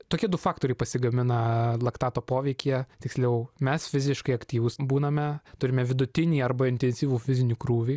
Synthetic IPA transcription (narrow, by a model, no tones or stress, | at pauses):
t̪oːkʲiɛd̪ʊfɑːkt̪oːɾʲɛɪpɐsʲɪɡɐmʲɪnɐlˠɐkt̪ɑːt̪oːpoːʋʲɛɪkʲiɛt̪ʲɪksʲlʲɛʊmʲɛsfʲɪzʲɪʃkɐɪɐkt̪ʲiːʋʊsbuːnɐmʲɛt̪ʊɾʲɪmʲɛʋʲɪd̪ʊt̪ʲɪnʲiːɐrbɐɪnʲt̪ʲɛnʲsʲiːʋuːfʲɪzʲɪnʲuːkɾuːʋʲiː